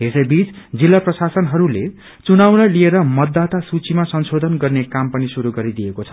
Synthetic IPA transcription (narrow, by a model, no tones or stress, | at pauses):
ɦesʌjbit͡sd͡zilːaprʌsasʌnɦʌɾule | t͡sunawnalieɾʌmʌd̪ːat̪asut͡simasʌnsod̪ʱʌnɡʌrnekampʌnisuɾuɡʌɾid̪ijekot͡sʰʌ̥